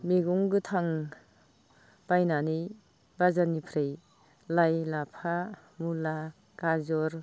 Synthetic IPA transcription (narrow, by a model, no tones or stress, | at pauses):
meɡuŋɡɯtʰaŋ | b̥ajnani | bazanipʰɾej | lajlapʰa | mula | kazɔɾ